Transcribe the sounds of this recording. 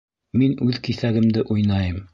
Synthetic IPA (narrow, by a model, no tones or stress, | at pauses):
minʉðkiθæɡɘ̆md̪ɘʔujnɑjɤm